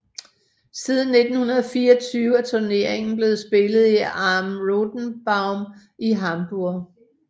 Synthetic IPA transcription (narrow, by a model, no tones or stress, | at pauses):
siːð̞ˠn̩ːe̝d̥n̩hunɐðˠfiːɒt͡sʰyːʊæt͡sʰoɐne̝ɐ̰eŋn̩b̥le̝ːð̩ˠsb̥e̝lð̩ˠiɑmʁod̥n̩b̥ɑ̈ʊm | iɦɑ̈mb̥uɐ̰